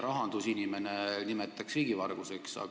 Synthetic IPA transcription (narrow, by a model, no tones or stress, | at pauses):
ɾɑɦɑnd̪̥usinʲime̞nenimet̪ːˑɑksriːɡ̥ivɑrɡ̥use̞ksɑ̰